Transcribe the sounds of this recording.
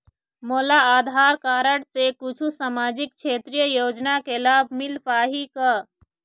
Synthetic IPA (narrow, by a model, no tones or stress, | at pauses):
moːlaaːd̪ʱaːɾkaːɾəɽsekʊt͡ʃʰusaːmaːd͡ʒik̚kt͡ʃʰeːt̪ɾijəjoːd͡ʒnakelaːbʱmilpaːɦika